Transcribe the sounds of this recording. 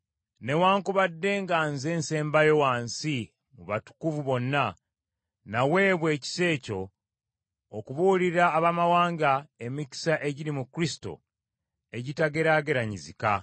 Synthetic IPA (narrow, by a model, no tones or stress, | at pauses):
ne̞waːŋkuβadːe̞ŋɡanze̞ːnse̞ːmbajo̞waːnsi | muβatu̥kuvuβo̞nːa | nawe̞ːβwe̞ːci̥se̞ːco̞ | kuβuliɾaːβamawaːŋɡae̞mici̥saʔe̞ɟiɾimukɾisi̥to̞̰ | e̞ɟitaɡe̞ɾaːɡe̞ɾaɲizika